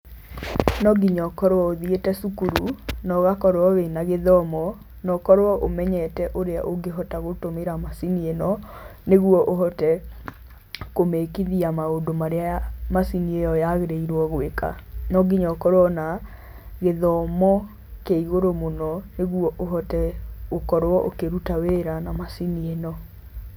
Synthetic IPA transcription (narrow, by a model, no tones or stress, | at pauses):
nɔɡiɲɔkɔɾwɔoðietɛsukuɾunɔɣakɔɾwɔwenaɣeðɔmɔ | nɔkɔɾwɔʔomɛɲɛtɛʔoɾea̰ʔoɡeɦɔtaɣotomeɾamasinienɔneɣuwɔʔoɦɔtɛ | komekiðiamaodomaɾeamasiniejɔjaɣeɾeiɾwɔɣoeka̰nɔɡiɲɔkɔɾwɔna | ɣeðɔmɔ | keiɣoɾomonɔneɣwɔʔoɦɔtɛokɔɾoɔʔokeɾutaweɾanamasinienɔ